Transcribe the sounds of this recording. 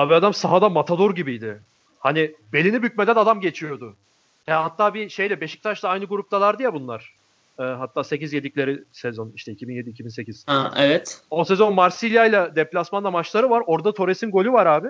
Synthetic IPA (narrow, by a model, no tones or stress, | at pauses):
aːbiad̪amsaɦad̪amat̪ʰad̪o̞ɾɟibijd̪ɪ | hanɪbe̞lʲinibyc̚med̪ænad̪amɟe̞t͡ʃʰijo̞d̪ʊ | hɛhat̪ʰːaːbiʃe̞jlɛbe̞ʃi̥c̚t̪ʰaʃlˠaajnɯɡuɾup̚t̪ʰalˠaɾd̪ijabunlˠaɾ̥ | ɛːɦat̪ʰːaːse̞cizje̞d̪iclʲe̞ɾɪsezo̞niʃt̪ʰɛicʰibinje̞d̪iːcʰibinse̞ciz̥aevɛt̪ose̞zo̞nmaɾsilʲjajlʲˠad̪ɛplʲasmand̪ˠamat͡ʃlˠaɾɯvaɾo̞ɾd̪at̪ʰo̞ɾesinɡo̞lʲuvaɾaːbɪ